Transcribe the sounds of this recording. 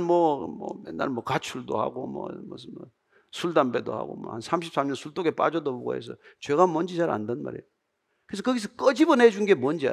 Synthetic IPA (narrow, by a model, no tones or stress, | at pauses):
nmwʌmʌ̰jenːa̰ɭmwʌkat͡ɕʰuɭdo̰ha̰ɡomʌ̰mʌmʌ | sʰuɭdambedo̰ha̰ɡo̰mʌ̰hansʰamɕʰi̥p̚s͈ʰamɲʌnsʰuɭt͈oɡep͈a̰d͡ʑʌdʌboɡo̰hḛsʰʌ̰t͡ɕwe̞ɡamwʌnd͡ʑit͡ɕaɾa̰ndʌnma̰ɾḛjo | kɯɾes̬ʌkʌɡis̬ʰʌk͈ʌd͡ʑibʌnɦed͡ʑunɡemʌnd͡ʑia̰